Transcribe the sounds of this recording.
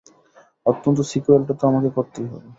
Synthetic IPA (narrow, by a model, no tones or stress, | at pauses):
ot̪ːont̪̬osikuelʈat̪ɾɔmakekɔt̪ːiiɦɔ̰be